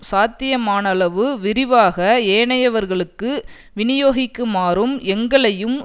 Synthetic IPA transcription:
saːt̪ːɪjɐmaːnɐɭɐʋɯʋɪrɪʋaːɣɐeːɳɐjɐʋɐɾɣɐɭɯkːɯ | ʋɪnɪjoːɣɪkːɯmaːɾɯmɛŋɡɐɭɐjɯm

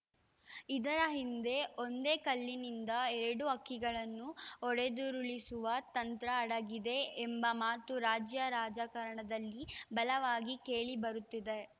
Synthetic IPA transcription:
id̪ɐɾɐɦind̪e̞o̞nd̪e̞ːkɐlːinind̪ɐɛɾɐɽuɐkːiɡɐɭɐnːuɔɽe̞d̪uɾuɭisuʋɐt̪ɐnt̪ɾɐːɽɐɡid̪e̞ːmbɐmaːt̪uɾaːd͡ʒjɐɾaːd͡ʒaːkɐɾɐɳɐd̪ɐlːibɐlɐʋaːɡike̞ːɭibɐɾut̪ːid̪e̞

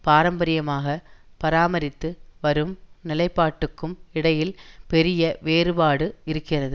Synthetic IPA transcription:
paːɾɐmbɐɾɪjɐmaːɣɐpɐɾaːmɐɾɪt̪ːɯʋɐɾɯmnɪlɐɪpːaːʈːɯkːɯmɪɽɐjɪlpɛɾɪjɐʋeːɾɯbaːɽɯɪɾɯkːɪrɐðɯ

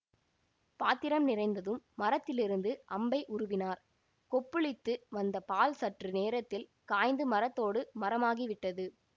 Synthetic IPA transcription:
paːt̪ːɪɾɐmnɪrɐɪnd̪ɐðɯmːɐɾɐt̪ːɪlɪɾɯnd̪ɯʔɐmbɐɪʔʊɾʊʋɪnaːɾ | kɔpːɯɭɪt̪ːɯʋɐnd̪ɐpaːlsɐʈrɯneːɾɐt̪ːɪl | kaːjnd̪ɯmɐɾɐt̪ːoːɽɯmɐɾɐmaːɣiʋɪʈːɐðɯ

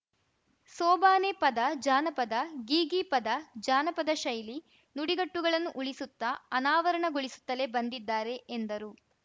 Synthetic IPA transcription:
sɔːbaːnepɐd̪ɐd͡ʒaːnɐpɐd̪ɐɡiːɡipɐd̪ɐd͡ʒaːnɐpɐd̪ɐʃɐjli | nuɽiɡɐʈːuɡɐɭɐnːuʔuɭisut̪ːɐɐnaːʋɐɾɐɳɐɡuɭisu̥t̪ːɐle̞bɐnd̪id̪ːaːɾe̞ʔːnd̪ɐɾu

